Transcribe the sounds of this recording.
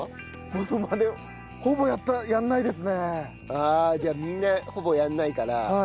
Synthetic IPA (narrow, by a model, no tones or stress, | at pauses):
monomad̪e | ho̞bo̞jat̪ːajãnːaid̪e̞sɨne | aːd͡ʑaːmʲĩnːaho̞bo̞janːaikaɾaha